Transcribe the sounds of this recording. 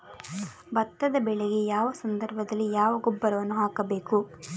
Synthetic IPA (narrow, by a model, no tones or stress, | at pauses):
bɐt̪ːɐd̪ɐbɛɭeɡejaːʋɐsɐnd̪ɐɾbʱɐd̪ɐlːijaːʋɐɡubːɐɾɐʋɐnːuɦaːkɐbe̞ːku